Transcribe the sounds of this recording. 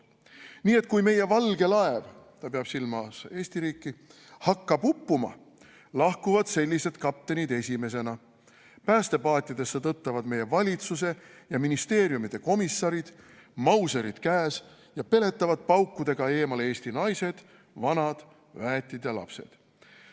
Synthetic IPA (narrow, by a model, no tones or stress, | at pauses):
niːe̞t̪̚ːˑkujme̞jevɑlɡ̥e̞lɑe̞v | t̪ɑpeɑb̥silmɑse̞ːsʲt̪iɾiːkːˑi | hɑkːɑbupːumɑ̰ | lɑhkuvɑd̪̥se̞lʲːise̞d̪̥kɑp̚t̪ːe̞nid̪e̞sʲime̞s̬e̞nɑ | pæːst̪e̞pɑːt̪ʲːˑjɑt̪e̞sːet̪ɤt̪ːɑvɑd̪̥me̞jːe̞vɑlʲit̪sus̬e̞jɑminist̪e̞ːɾjumid̪̥e̞ko̞misːɑɾid̪̥ | mɑwse̞ɾid̪̥kæːs | jɑpe̞le̞t̪ˑːɑvɑd̪̥̚pɑwkːud̪̥e̞ɡ̥ɑe̞ːmɑle̞ːst̪inɑjse̞d̪̥ | vɑnɑd̪̥ | væːt̪ʲːˑid̪̥jɑlɑ̰pse̞̰d̪̥